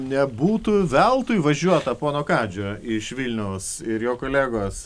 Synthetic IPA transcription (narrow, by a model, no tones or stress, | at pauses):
nʲɛbuːt̪ʊʋʲɛlˠt̪uːjʋɐʒʲuɔt̪ɐpoːnoːkɑːd͡ʒʲoːɪʃʋʲilʲnʲɛʊs | ɪɾjoːkoːlʲæːɡoːs